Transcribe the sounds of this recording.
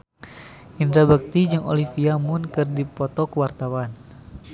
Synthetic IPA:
ʔind̪ɾabək̚t̪id͡ʒɨŋo̰lifiamʊnkɨrdipɔt̪ɔkəwart̪awan

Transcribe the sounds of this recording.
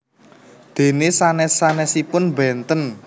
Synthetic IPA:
d̪̥e̤nesanɛsanɛsipʊnbɛnt̪ən

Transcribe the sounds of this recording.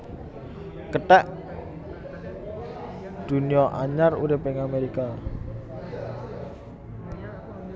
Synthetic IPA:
kəʈɛʔ | d̪̥ṳniɔʔaɲaruɾɪpɪŋameɾika

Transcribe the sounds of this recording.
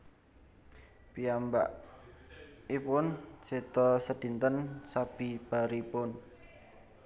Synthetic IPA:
piamba̰ʔ | ipʊnsed̪̥ɔsəd̪int̪ənsab̥i̤b̥a̤ɾipʊn

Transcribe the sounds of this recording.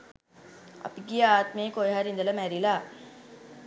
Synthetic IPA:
ɐ̰piɡiaːt̪meːkojɦaɾind̪ələmæɾilaː

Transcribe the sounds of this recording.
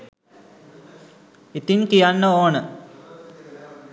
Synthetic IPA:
it̪iŋkijanːəoːnə

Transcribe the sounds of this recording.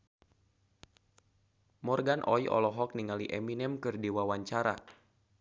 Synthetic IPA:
mɔrɡanʔɔjʔɔ̰lɔɦɔk̚niŋaliʔɛminɛmkɨrdiwawaɲt͡ʃaɾa̰

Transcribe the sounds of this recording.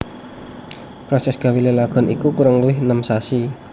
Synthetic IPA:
pɾɔsɛsɡ̥a̤wilelaɡ̥ɔ̤nʔḭkukuɾəŋluɪhnəmsasi

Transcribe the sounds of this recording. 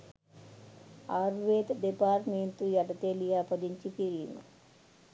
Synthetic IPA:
aːɾʋeːt̪d̪epaːɾʈment̪ujɐʈɐt̪elijaːpɐd̪iɲt͡ʃikiɾinu

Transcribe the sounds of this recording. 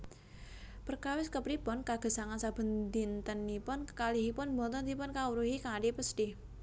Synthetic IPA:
pərkawɪskəpɾipɔnkaɡ̥ə̤saŋansab̥ə̤nd̪int̪ənːipʊnkaliɦipʊnbɔnt̪ɔnd̪ipʊnkauɾuɦikaŋaɖipəsʈ̪ɪh

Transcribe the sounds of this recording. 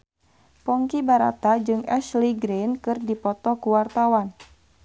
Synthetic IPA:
pɔŋkibaɾa̰t̪ad͡ʒɨŋɛʃliɡɾenkɨrdipɔt̪ɔkuwart̪awan

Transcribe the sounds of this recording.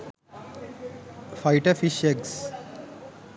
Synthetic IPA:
faɪʈəɾfiʃeɡs

